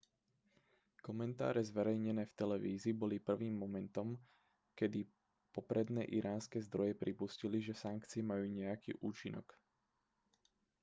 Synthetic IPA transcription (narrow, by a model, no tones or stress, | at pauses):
kɔmɛnt̪a̰ːɾɛzʋɛɾɛjɲɛnɛːft̪ɛlɛʋiːzibɔlipr̩ʋiːmːɔmɛnt̪ɔm | kɛd̪i | pɔpɾɛd̪nɛ̰ːʔiɾʔaːnskɛːzd̪ɾɔjɛpɾipusciliʒɛsaŋkt͡siɛmajuːɲɛjakḭːʔuːt͡ʃinɔ̰k